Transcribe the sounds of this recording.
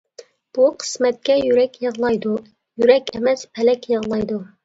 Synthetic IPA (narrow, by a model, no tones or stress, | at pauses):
b̥uqʰə̥smɛt̪̚kʲɛjyɾɛkʲjəʁlˠɑjd̪u | jyɾɛkʲɛmɛspʰɛlɛkʲjəʁlˠɑjd̪u